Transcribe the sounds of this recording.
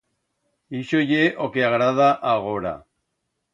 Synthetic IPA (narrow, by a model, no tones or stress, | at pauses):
iʃojeʔokeaɣɾaðaʔaɣoɾa̰